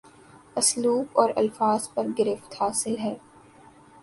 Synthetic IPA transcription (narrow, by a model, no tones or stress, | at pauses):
ɐsluːbɔːɾɐ̰lfaːz̥pɐɾɡɪɾɪft̪haːsɪlɦɛː